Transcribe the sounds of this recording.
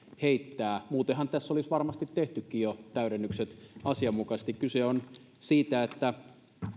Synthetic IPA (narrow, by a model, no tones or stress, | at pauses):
heit̪ːæːmuːt̪ehɑnt̪æsːolisʋɑrmɑst̪it̪teht̪ykːiːjot̪æyɾenːykset̪ɑsiɑmːukɑst̪ikkyseon | siːt̪æet̪ːæ